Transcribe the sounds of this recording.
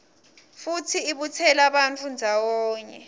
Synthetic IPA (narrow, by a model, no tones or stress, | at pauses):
futʰiːɓutʰɛlaɓant͡fʰund͡zʱawɔːɲɛ